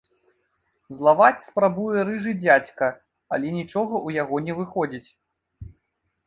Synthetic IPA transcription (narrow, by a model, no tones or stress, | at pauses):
zlˠavat͡sʲspɾabujɛɾɨʐɨd͡zʲat͡sʲkɐ | ɐ̰lʲɛnʲit͡ʂɔɣɐʔujaɣɔnʲɛvɨxɔd͡zʲit͡sʲ